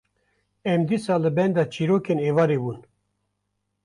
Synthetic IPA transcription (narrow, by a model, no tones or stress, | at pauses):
ɛmd̪isɑːlɨbɛnd̪ɑːt͡ʃʰiɾoːkeːnevɑːɾebuːn